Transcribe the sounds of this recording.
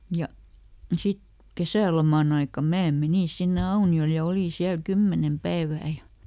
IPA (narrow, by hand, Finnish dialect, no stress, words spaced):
jɑ sit kesæˑlomɑn ɑikɑm mæː meniˑn sinːe ɑuniol jɑ oliˑn̞ siæl kymːenem pæeʋæː jɑ